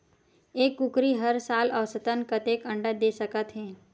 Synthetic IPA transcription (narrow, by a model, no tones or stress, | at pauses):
eːkːukɾiɦɐɾsaːlɔːsət̪ənkət̪eːkə̃ɳɖəd̪eːsəkət̪ɦɛ̃ː